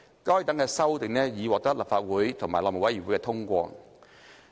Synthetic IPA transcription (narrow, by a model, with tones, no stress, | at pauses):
kɔː˥jt̪ɐ˨˥ŋkɛː˧sɐ˥wt̪ɪ˨˩ŋnɛː˥jiː˨˧wɔː˨k̚t̪ɐ˥k̚lɐ˨p̚faː˧t̚wuː˨˥jt̪ʰʊ˨˩ŋmaː˨˩jlɔː˧˨mo˨˩wɐ˨˥jiː˨˩wu˨˥jkɛː˧t̪ʰʊ˥ŋkʷɔ̰ː˧